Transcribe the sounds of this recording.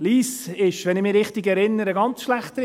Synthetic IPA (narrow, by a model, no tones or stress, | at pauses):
liːsɪʃʋɛnɪmɪɾɪχtɪɡɛɾɪnːəɾəɡɑnt͡sʃlæχtə